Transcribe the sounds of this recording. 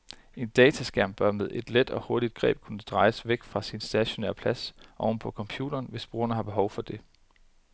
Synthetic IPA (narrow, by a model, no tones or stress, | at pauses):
e̝nd̥ɛːt͡sʰæsɡ̥æɐmb̥ɶɐmeð̞ˠʔe̝d̥led̥ɒ̽ho̝ɐɾ̥id̥̚ɡ̥ʁɛ̰ːb̥̚kʰunəd̥ʁɑ̈ɪsʋeɡ̥fʁɑ̈sinsd̥æɕo̝nḛɐpʰlæsʔɒʊn̩əpʰɒ̽kʰɒ̽mpʰjṵːd̥ɐːnʋe̝sb̥ʁuːɐnəɦɑ̈b̥e̝ɦɒʊfɒ̽d̥e̝